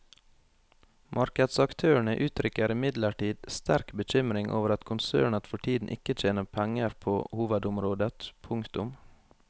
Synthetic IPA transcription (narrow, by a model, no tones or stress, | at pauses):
mʔɑɾkəd̪sɑkt̪ʰøːəɳəʔʉːt̪ʰɾʏkəɾɪmɪd̪ləʈiːd̪st̪æɾkbəc͡çʏmɾɪŋʔo̰ːʋəɾɑt̪kʰʊnsø̰ːɳət̪fɔʈʰiːd̪n̩ʔɪ̰kəc͡çeːnəpʰɛŋəɾpʰoːhuːʋəd̪ʊmɾoːd̪ət̪pʰʊŋkt̪ʊm